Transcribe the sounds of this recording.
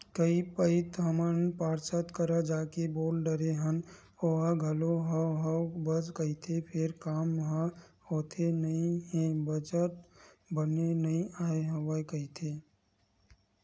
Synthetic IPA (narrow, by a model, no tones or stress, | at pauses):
kəipəɪt̪əmənpaːɾsət̪kəɾad͡ʒaːkeboːlɖəɾeɦən | oɦãɡʱɐloɦəɦəbəd͡ʒkəɦit̪ʰepʰɪɾkaːmʋɐɦã | hoːt̪ʰenɐɦĩɦɛ̃bəd͡ʒəʈ̚ | bənenɐɦĩaːeɦəʋaekɐit̪ʰeː